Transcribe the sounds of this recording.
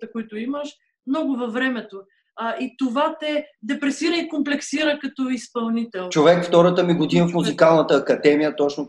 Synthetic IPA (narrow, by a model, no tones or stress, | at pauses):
t̪əkʊit̪ʊiməʃ | mnɔɡʊvɐvɾɛmɛt̪o | ʔit̪ovat̪ɛd̪ɛpɾɛsiɾəikomplɛksiɾəkɐt̪ɔispɐlˠnit̪ɛlˠt͡ʃovɛkft̪ɔɾət̪əmiɡod̪inəfmuzikalˠnət̪əːkɐd̪ɛmijət̪ɔt͡ʃno